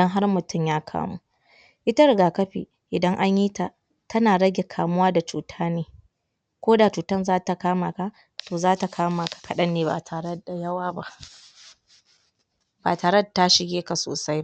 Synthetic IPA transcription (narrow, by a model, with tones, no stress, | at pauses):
ɐ˦ŋɦa˦rmʊ˨tʊ˦mjaː˦kʰa̰ː˦mṵ˦ | ʔɪ˦ta˦ɾɪ˨ɡaː˨kɐ˦ɸḭ˨ | ʔɪ˨dɐ˦ŋʔa˦ɲjiː˦ta˨ | tʰɐ˦naː˨ɽɐ˦ɡʲe˨kʰaː˨mʊ˦waː˦da˨t͡ʃuː˨tʰaː˦neː˨ | kʷoː˦da˨t͡ʃuː˨tɐ˦nzaː˦ta˨kaː˦maː˨ka˨ | toː˨zaː˦ta˨kʰaː˦maː˨kḁ˨kɐ˨ɗɐ˦nːeː˨ba̰˨tʰaː˨ɽe˦da˨jɐ˦waː˦ba˦ʔ | ba̰ː˨taː˨ɾe˦da˨ta˦ʃɪ˨ɡʲeː˦ka˨so̰ː˨sa˦j